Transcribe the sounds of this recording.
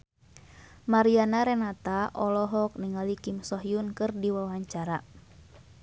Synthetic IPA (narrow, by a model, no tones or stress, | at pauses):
maɾianaɾɛnat̪aʔɔlɔɦɔk̚niŋalikimsɔɦiunkɨrdiwawaɲt͡ʃaɾa